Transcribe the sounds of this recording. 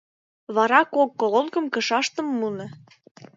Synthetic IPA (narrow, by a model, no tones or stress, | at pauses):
βɑɾɑkokːololkə̆mkə̆ʃɑʃt̪ə̆mːunɤ̆